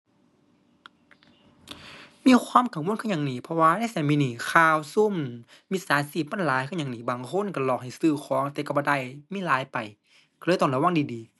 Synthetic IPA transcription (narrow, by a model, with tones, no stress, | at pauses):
miː˧˥˨kʰwaː˧˥˨mkʰa˧˩mwo˧˥˨nkʰɯ˧˥˨ɲa˧˨ŋniː˧˩˨pʰɔ˧waː˧˨na˧˥˨sa˧˩miː˧˨niː˧˩kʰaː˧˨wsu˧˥˨m | miː˧˥˨saː˨˦nsiː˧˩p̚maː˧˥˨nlaː˨˦jkʰɯ˧˥˨ɲa˨ŋniː˧˩baː˨ŋkʰo˧˥˨nka˧˩lɔː˧˩k̚ha˨˩jsɯː˧˩kʰɔː˨˦ŋt̪ɛ˧˩ka˧˩bɔː˧˦da˧˩˨jmiː˧˥˨laː˨˦jpa˨j | ka˧˩lɤː˧˨jt̪ɔː˧˩nla˧˩wa˧˥˨ŋdiː˨˩diː˨˦